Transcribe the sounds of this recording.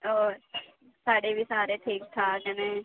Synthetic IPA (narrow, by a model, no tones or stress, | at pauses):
oː | saːɖeːʋiːsaːɾeːt̪ʰeːkt̪ʰaːkɛːnẽː